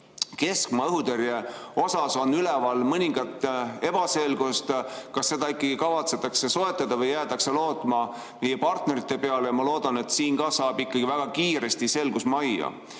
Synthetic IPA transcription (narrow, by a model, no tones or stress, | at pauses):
ke̞skmɑɤɦut̪eɾjeo̞sɑso̞nːylɛvɑlmɤnʲiŋɡ̥ɑt̪ːˑe̞b̥ɑse̞lɡ̥ust̪kɑsːe̞d̪ɑikːˑɑɡ̥ikɑvɑt̪se̞t̪ːˑɑkse̞so̞e̞t̪ˑːɑd̪̥ɑvɤjːæːt̪ɑkse̞lo̞ːt̪ˑmɑ | mijepɑrt̪ne̞ɾit̪ːˑe̞pe̞ɑlejɑmɑlo̞ːd̪̥ɑne̞t̪siːnɡ̥ɑsɑːb̥ikːˑɑɡ̥ivæɡ̥ɑkiːɾe̞st̪ise̞lɡ̥usmɑjɑ̰